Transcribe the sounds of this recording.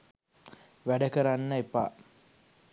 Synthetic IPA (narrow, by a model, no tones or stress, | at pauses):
ʋæɖəkəɾanːəepa̰